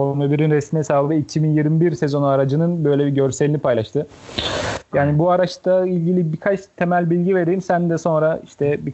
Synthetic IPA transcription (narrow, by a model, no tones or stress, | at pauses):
omebiɾinɾɛsmimɛsaːlˠd̪ɯicʰibinjiɾmibiɾse̞zo̞naɾad͡ʒɯnɯnbø̞jlʲɛbiɟø̞ɾselʲinipʰajlˠaʃt̪ʰɯ | jaːnibuaɾaʃt̪ailʲɟilʲibikʰat͡ʃt̪ʰe̞mælʲbilʲɟive̞ɾeimsænd̪ɛso̞nɾaiʃt̪ʰɛbi